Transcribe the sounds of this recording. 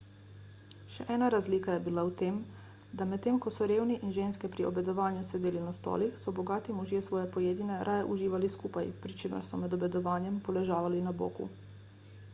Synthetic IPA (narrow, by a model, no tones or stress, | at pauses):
ʃɛ̰ʔɛːnaɾazliːkajɛbilawt̪eːm | d̪amɛt̪t̪ːeːmkɔsɔɾeːwniʔinʒeːnskɛpɾiɔ̰bɛd̪ɔʋaːnjusɛd̪eːlinast̪ɔ̰ːlixsɔbɔɡaːt̪imɔʒjɛsʋɔːjɛpɔjeːd̪inɛɾʔaːjɛʔuʒiːʋaliskuːpajpɾit͡ʃeːmɛ̰ɾsɔmɛd̪ɔbɛd̪ɔʋaːnjɛmpɔlɛʒaːʋalinabo̰ːkṵ